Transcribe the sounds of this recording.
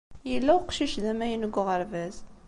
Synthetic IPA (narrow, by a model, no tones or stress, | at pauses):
jəlːæʊqʃiʃðæmæjənəɡːʊʁəɾvæz